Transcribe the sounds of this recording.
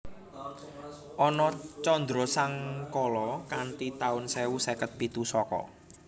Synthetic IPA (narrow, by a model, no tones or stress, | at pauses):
ʔɔnɔt͡ʃɔnd̪ɾɔsaŋkɔlɔkant̪it̪aʊnsɛwusɛkət̪̚pit̪usɔkɔ̰